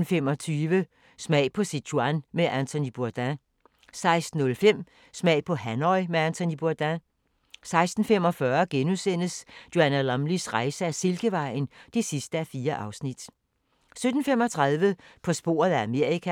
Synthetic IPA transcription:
n̩fem̰ɒ̽t͡sʰyːʋə | smɛ̰ɪpʰɒ̽si̥ɕʰuænmeʔænt͡sʰonib̥uɐd̥æ | sɑ̈ɪsd̥n̩ɔ̽lfem̰ | smɛ̰ɪ̰pʰɒ̽hænɒɪmeænt͡sʰonib̥uɐd̥æ | sɑ̈ɪsd̥n̩fem̰ɒ̽fɶɐɡ̥enusen̰əsj̥o̝ænælɑmlisʁɑ̈ɪsəæse̝lɡ̥əʋɑ̈ɪ̰n̩d̥e̝sisd̥əæfiːɐʔɑ̈ʊsnid̥ | sød̥n̩fem̰ɒ̽t͡sʰʁɑ̈ðˠʋəpʰɒ̽sb̥o̝̰ːɐð̩ˠææme̝ɐ̰ikʰæ

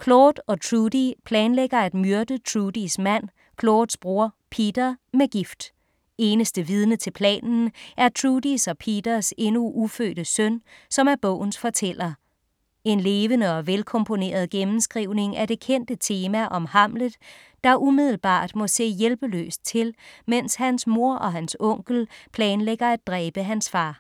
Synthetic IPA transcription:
kʰloːd̥ɒ̽t͡sʰʁudipʰlɛːnleɡ̥ɐæd̥myɐd̥ət͡sʰʁudismæn̰ | kʰloːd̥sb̥ʁuɐ̰pʰid̥ɐmeɡ̥ifd̥ | e̝ːnəsd̥əʋið̞ˠnət͡sʰe̝lpʰlɛ̰ːnn̩ʔæɐt͡sʰʁuːd̥isɒ̽pʰiːd̥ɐse̝nuʔufø̰ːd̥əsœnsɒ̽mæɐb̥ɔ̰̽ʊ̰n̩sfɒ̽t͡sʰel̰ɐ | e̝nle̝ːʋənəɒ̽ʋelkʰɒ̽mpʰo̝ne̝̰ːɐð̞̩ˠɡ̥emm̩sɡ̥ʁiʊ̰ne̝ŋʔæɾe̝kʰen̰d̥ət͡sʰe̝ːmæʔɒ̽mhɑ̈m̰ləð̩ˠ | d̥ɑ̈ʔumið̞̰ˠl̩b̥ɑ̰̈ːd̥mɒ̽se̝̰ːjelb̥əlø̰ːsd̥̚t͡sʰe̝lmen̰shænsmo̝ɐ̰ʔɒ̽ɦænsɔ̽ŋ̰ɡ̥l̩pʰlɛːnleɡ̥ɐæd̥̚ʁɛːb̥əɦænsfɑ̈ː

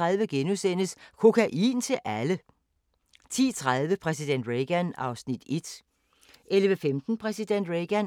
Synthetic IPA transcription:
ʁaðˠʋəɡ̥enusen̰əskʰo̝kʰæʔḭːnt͡sʰe̝lʔælə | t͡sʰḭːt͡sʰʁað̞ˠʋəpʰʁɛsid̥en̰d̥ʁeɡ̥ænɑ̈ʊsnid̥e̝d̥ | ʔelʋəfemd̥n̩pʰʁɛsid̥en̰d̥ʁeɡ̥æn

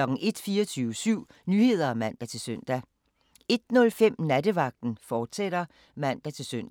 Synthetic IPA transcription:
ɒ̽ɡ̥̩ʔe̝d̥fiːɐt͡sʰyːʊəsyʊ̰ | nyːhe̝ð̰ˠɐæmæn̰d̥æt͡sʰe̝lsœn̰d̥æ | e̝d̥nɔ̽lfem̰næd̥əʋɑ̈ɡ̥̚d̥n̩fɒːd̥seɾ̥ɐ | mæn̰d̥æt͡sʰe̝lsøn̰d̥

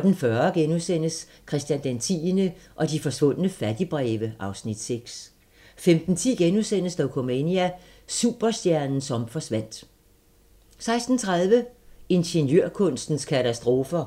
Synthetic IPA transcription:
ɒd̥n̩fɶɐɡ̥enusen̰əs | kʰʁɛsd̥jænd̥ent͡sʰḭːnəʔɒ̽d̥ifɒ̽sʋɔ̽n̰ənəfæd̥ib̥ʁɛːʋəʔɑ̈ʊsnid̥seɡ̥s | femd̥n̩t͡sʰḭːɡ̥enusen̰əsd̥ɒʊkʰo̝meniæ | suːb̥ɐsd̥jæɐnn̩sɒ̽mfɒ̽sʋæn̰d̥ | sɑ̈ɪsd̥n̩t͡sʰʁaðˠʋəe̝nɕənjøɐ̰kʰɔ̽n̰sd̥n̩skʰæt͡sʰæsd̥ʁo̝ːfɐ

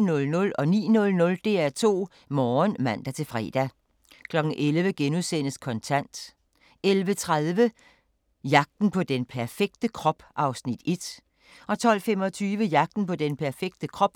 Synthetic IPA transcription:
nɔ̽lnɔ̽lɒ̽nḭːnɔ̽lnɔ̽ld̥e̝̰ːæt͡sʰo̝̰ː | mɒːnmæn̰d̥æt͡sʰe̝lfʁɛ̰ːd̥æ | kʰlɒ̽ɡ̥n̩ʔelʋəɡ̥enuðˠsen̰əskʰɒ̽nt͡sʰæn̰d̥ | elʋət͡sʰʁað̞ˠʋə | jɑ̈ɡ̥̚d̥n̩pʰɒ̽d̥enpʰæɐfeɡ̥̚d̥əkʰʁɒ̽b̥ʔɑ̈ʊsnid̥e̝d̥ | ʔɒ̽t͡sʰɒ̽l̰fem̰ɒ̽t͡sʰyːʋəjɑ̈ɡ̥̚d̥n̩pʰɒ̽d̥enpʰæɐfeɡ̥̚d̥əkʰʁɒ̽b̥

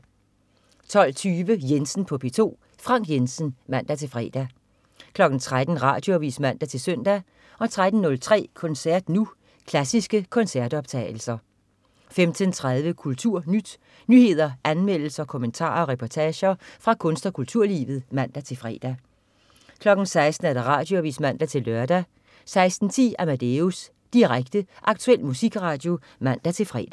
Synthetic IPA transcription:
t͡sʰɒ̽l̰t͡sʰyːʋəjensn̩pʰɒ̽pʰe̝t͡sʰo̝̰ː | fʁɑ̈ŋ̰ɡ̥jensən̩mæn̰d̥æt͡sʰe̝lfʁɛ̰ːd̥æ | kʰlɒ̽ɡ̥n̩t͡sʰʁad̥n̩ʁɑ̰̈ːd̥jo̝ɒʋḭːsmæn̰d̥æt͡sʰe̝lsœn̰d̥æ | ʔɒ̽t͡sʰʁad̥n̩ːɔ̽lt͡sʰʁɛ̰ːkʰɒ̽nsæɐd̥nu | kʰlæsisɡ̥əkʰɒ̽nsæɐd̥ɒ̽b̥t͡sʰɛ̰ːɪl̩sɐ | femd̥ənt͡sʰʁað̞ˠʋəkʰult͡sʰuɐ̰nyd̥ | nyhe̝ð̰ˠɐʔænmel̰l̩sɐkʰo̽mənt͡sʰɑ̰̈ːɐɒ̽ʁɛpʰɒt͡sʰɛːɕɐfʁɑ̈kʰɔ̽nsd̥ɒkʰult͡sʰuɐ̰lḭːʋð̞̩ˠmæn̰d̥æt͡sʰe̝fʁɛ̰ːd̥æ | kʰlɒ̽ɡ̥n̩sɑ̈ɪsd̥n̩æɐɾ̥ɑʁɑ̰̈ːd̥jo̝æʋḭːsmæn̰d̥æt͡sʰe̝lːɶɐd̥æ | sɑ̈ɪsd̥n̩t͡sʰḭːæmæd̥eus | d̥iʁaɡ̥̚d̥əʔɑ̈ɡ̥̚t͡sʰuel̰musiɡ̥ʁɑ̈ːd̥jo̝ | mæn̰d̥æt͡sʰe̝lfʁɛ̰ːd̥æ

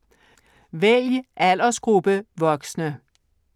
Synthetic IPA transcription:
ʋeiʔæl̰ɐsɡ̥ʁub̥əʋɒ̽ɡ̥snə

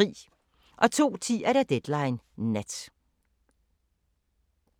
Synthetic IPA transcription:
ḭː | ʔɒ̽t͡sʰo̝̰ːt͡sʰḭːæɐɾæd̥ed̥lɑ̈ɪnː | æd̥

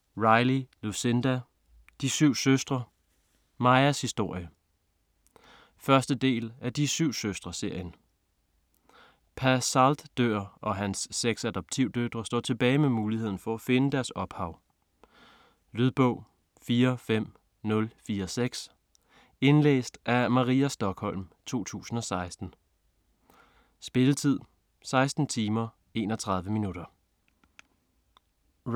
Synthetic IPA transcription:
ʁɑ̈ɪlilusend̥æ | d̥isyʊ̰søsd̥ʁɐ | mɑ̈ɪɐshisd̥o̝ɐ̰jə | fɶɐsd̥əd̥e̝̰ːlæd̥isyʊ̰søsd̥ʁɐse̝ɐ̰jən | pʰæɐsɑld̥d̥øɐ̰ʔɒ̽ɦænsːeɡ̥sæd̥ɒ̽b̥̚t͡sʰiʊ̰d̥ød̥ʁɐsd̥ɒ̰ːt͡sʰe̝b̥ɛːɪmemuːlihe̝ð̰ˠn̩fɒ̽æfe̝nəd̥æɐsɒ̽b̥hɑ̈ʊ̰ | lyðˠb̥ɔʊ̰ | fiːɐfem̰ | nɔ̽lfiːɐseɡ̥s | e̝nlḛːsd̥æmɑ̈ʁiːæsd̥ɒ̽ɡ̥hɒ̽l̰mt͡sʰo̝̰ːt͡sʰṵːsn̩ɒ̽sɑ̈ɪsd̥n̩ | sb̥e̝lət͡sʰið̞̰ˠ | sɑ̈ɪsd̥n̩t͡sʰiːmɐ | e̝ːnɒt͡sʰʁɑ̈ð̞ˠʋəminudɐ

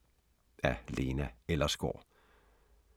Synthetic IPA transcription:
æle̝ːnæelɐsɡ̥o̰ː

